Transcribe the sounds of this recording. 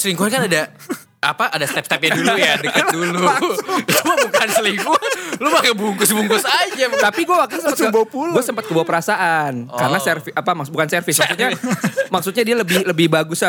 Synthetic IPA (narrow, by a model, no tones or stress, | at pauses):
səliŋkuankanada | a̰paʔadast̪ɛp̚st̪ɛp̚ɲadulujadəkadulu | abukansəliŋkulubakabuŋkʊsbuŋkusad͡ʒat̪apiɡuawak̚t̪insəmpət̪kəbopulɡuasəmpət̪̚kəbawapəɾasaʔankaɾənasɛrfɪapamakbukansɛrfɪsmaksut̪̚ɲamak̚sut̪ɲadialəbɪhləbɪhbaɡʊsa